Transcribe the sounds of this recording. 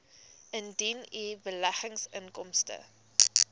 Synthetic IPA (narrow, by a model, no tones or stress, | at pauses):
əndinibəlæχəŋsəŋkɔmstə̰